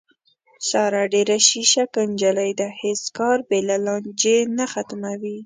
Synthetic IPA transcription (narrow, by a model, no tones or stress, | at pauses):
sɑɾɑɖeɾaʃiʃakənd͡ʒalajd̪aheskɑɾbelalɑnd͡ʒenaxat̪mawi